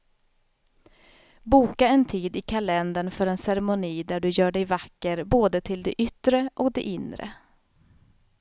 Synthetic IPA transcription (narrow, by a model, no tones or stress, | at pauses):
buːkaɛnt̪ʰiːd̪ɪkʰalɛnd̪əɳfœɾɛnsɛɾɛmʊniːd̪æɖɵjœːɖɛjvakːəɾboːd̪ət̪ʰɪld̪ɛʔʏt̪ːɾəʔɔkd̪ɛ̰ʔɪnd̪ɾə̰